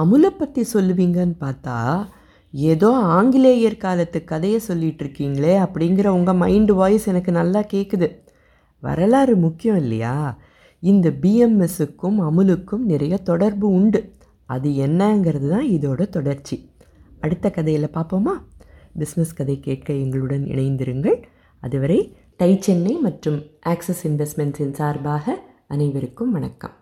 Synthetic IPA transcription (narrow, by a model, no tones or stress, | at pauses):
ɐmɯlɛpːɐt̪ːisɔlːɯʋiːŋɡɐnɯpaːɾt̪a̰ː | eːðoːaːŋɡɪleːjɐɾkaːlɐt̪ːɯkːɐðɐjɐsɔlːɪʈːɪɾɯkːiːŋɡɐɭeːɐpːɐɽɪŋɡɪɾɐʊŋɡɐmɐɪɳɖʋaːjɪsɛnɐkːɯnɐlːaːkeːʈːɯðɯ | ʋɐ̰ɾɐlaːɾɯmʊkːɪjɔ̃ɪlːɐ̰ja̰ː | ɪnd̪ɐbiːɛmɛsɯkːɯmɐmɯlɯkːɯmnɪɾɐjɐt̪ɔɽɐɾbɯʊɳɖɯ | ɐðɯɛnːɐːŋɡɪɾɐðɯt̪ãːɪðoːɽɐt̪ɔɽɐɾt͡ʃːi | ɐɽɯt̪ːɐkɐðɐjɪlɐpaːɾpoːmaːbɪsnɛskɐðɐɪkːeːʈ̚kɐɛŋɡɐɭɯɽɐnɪ̰ɳɐɪnd̪ɪɾɯŋɡɐɭ | ɐðɯʋɐɾɐɪ | ʈɐɪt͡ʃːɛnːɐɪmɐʈrɯmʔaːksɛsɪnʋɛsʈmɛnsɪnsaːɾbaːɣɐ | ɐnɐɪʋɐɾɯkːɯmʋɐnɐkːɐ̰m